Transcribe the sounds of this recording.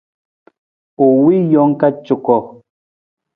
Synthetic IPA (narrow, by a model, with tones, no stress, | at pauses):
o˨wi˦jɔ˦ŋ̩˦ka˦t͡ʃu˨kɔ˨